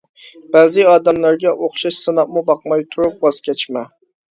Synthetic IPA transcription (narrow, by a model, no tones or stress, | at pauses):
b̥æːzɨɑːd̪ɛmlˠæɾɡʲɛʔoχʃɑʃsɨnɑp̚mubɑqmɑjt̪ʰuɾup̚bɑzkʲʰɛt͡ʃmɛ